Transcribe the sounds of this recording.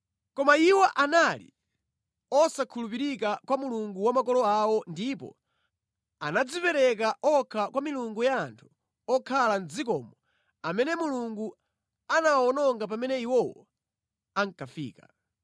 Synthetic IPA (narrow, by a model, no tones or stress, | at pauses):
kɔmaiwɔʔanalḭ | ɔsakʰulupiɾikakwamuluŋɡuwamakɔlɔawɔndipɔ̰ | anad͡zipɛɾɛk̬aʔɔkʰakwamiluŋɡujaːntʰu̥ | ɔkʰalan̩d͡zikɔmɔ | amɛnɛmuluŋɡu | anawɔnɔŋɡap̬amɛnɛiwɔwɔ̰ | aŋ̩kafiːka̰